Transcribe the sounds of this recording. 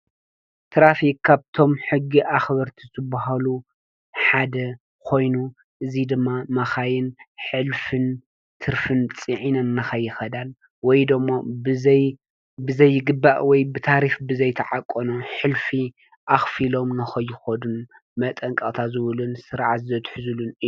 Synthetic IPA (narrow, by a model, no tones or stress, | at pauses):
t̪ʰɾafikkʰːaβt̪ʰo̞mħɨɡːiʔaxβɐɾt̪ʰizɨbːaɦalu | ħad̪ɐ | kʰo̞jnu | ʔɨzid̪ɨmːamɐxajɪnħɨlfɨn | t̪ʰɨɾfɨnt͡sʼiʕinɐnːɐxɐjːɪxɐd̪al | wɔjd̪ɨmːobɨzɐj | bɨzɐjːɪɡɨbːaʔwɔjbɨt̪ʰaɾifbɨzɐjt̪ʰɐʕakʼːonoħɨlfi | ʔaxfilo̞mnɐxɐjːɪxod̪un | mɐt̪ʼɐŋkʼɐt̪ʰazɨβɨlunsɨɾʕat̪zɐt̪ħɨzɨlunɨjːu